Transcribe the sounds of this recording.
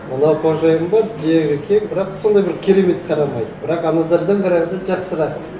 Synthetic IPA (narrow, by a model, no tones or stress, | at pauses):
mənˠɑwqʰoʒɑjəmbɑɾʒeʒɪkʲʰeŋbɪɾɑqso̞nd̪ɑjbɪɾkʲʰe̞ɾe̞me̞t̪̚qʰɑɾɑmɑjd̪bɪɾɑqɑnɑd̪ɑɾd̪əɴqɑɾɑʁənd̪ɑʒɑqsəɾɑ